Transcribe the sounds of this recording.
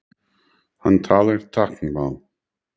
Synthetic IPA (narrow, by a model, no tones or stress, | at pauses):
hant̪ʰaːlɪɾt̪ʰaknbal